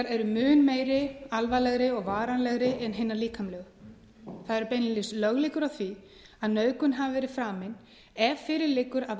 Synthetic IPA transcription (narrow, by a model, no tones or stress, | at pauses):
aɾɛɾʏmʏːnmeːjɾɪalvalɛɣɾɪɔɣvaːɾanlɛɣɾɪɛnɦɪnːaɾliːkʰamlɛɣ | θaðɛɾʏpejnlɪslœɣlɪkʏɾawθvi | aðnœːɥkʏnɦavavɛːɾɪ̥fɾaːmɪn | ɛvfɪɾɪɾlɪkːʏɾað